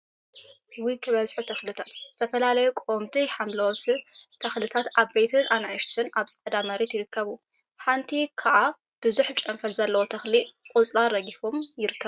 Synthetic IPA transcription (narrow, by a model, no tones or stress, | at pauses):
wikʰːɨβɐzħut̪ʰɐxlɨt̪ʰat̪z̥ɨt̪ʰɐfɐlalɐjukʼomt̪ʰiħamlɐt̪ʰɐxlɨt̪ʰat̪aβbejt̪ʰɨnʔanajʃsɨnaβsʼɐd̪amɐɾet̪jɪɾɨkʰːɐβu | ħant̪ʰikʰaʔa | b̥ɨzuħt͡ʃʼɐmfɐlzɐlːɐwot̪ʰɐxlikʼut͡sʼɾaɾɐɡikomjɪɾɨkːɐβ